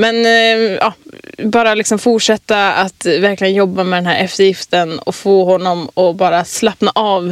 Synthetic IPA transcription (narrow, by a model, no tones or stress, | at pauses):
mɛnʔɑ̰ːbɑːɾalɪksɔmfʊʈʂɛt̪ːaat̪væɾklɪɡənjɔbːamɛd̪ɛnhæːɾʔɛft̪əɾjɪft̪ənɔ̰foːɦɔnːɔmɔbɑːɾaslapnaʔɑːv